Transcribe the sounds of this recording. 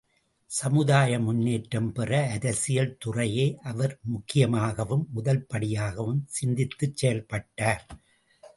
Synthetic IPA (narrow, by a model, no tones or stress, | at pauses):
sɐmɯðaːjɐmʊnːeːʈɾɐmpɪrɐːðɐsɪjɐlt̪ʊrɐjeːʔɐʋɐɾmʊkːɪjɐmaːɣɐʋɯmːʊðɐlpɐɽɪjaːɣɐʋɯmsɪnd̪ɪt̪ːɯt͡ʃsɛjɐlpɐʈːaːɾ